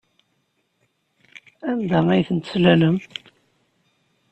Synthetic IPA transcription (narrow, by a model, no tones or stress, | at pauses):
æmd̪ææjθənt̪slæləm